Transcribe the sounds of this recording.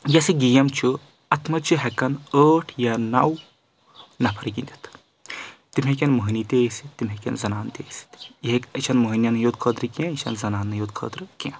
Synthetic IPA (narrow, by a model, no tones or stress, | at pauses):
jɐsiɡijɐmt͡ʃʰu | ɐt̪ʰmɐt͡ʃʰuɦɛkɐnəːʈʰjanɐw | nɐpʰɐɾɡind̪ʲit̪ʰ | t̪imʲɦẽk̬ʲɐnmuɦinit̪eːsit̪ːimʲɦẽkʲɐ̰nzɐnaːnt̪ḛːsi̥t̪iɦekɐt͡ʃʰɐnmuɦinjɐnɨjoːd̪̚kʰəːd̪ɾɨkʲãːit͡ʃʰɐ̰nzɐnaːnːɨjoːd̪kʰə̰ːt̪ɾɨkʲã